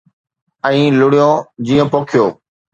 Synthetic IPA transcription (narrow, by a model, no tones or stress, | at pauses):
ɛ̃ĩːlʊɽijõːd͡ʑiːõːpoːkʰjoː